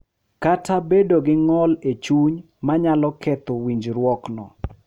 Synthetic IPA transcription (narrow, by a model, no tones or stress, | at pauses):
katʰabedoɡɪŋɔlet͡ʃuɲ | maɲalɔkʰɛt̪owiɲd͡ʒɾwɔknɔ̰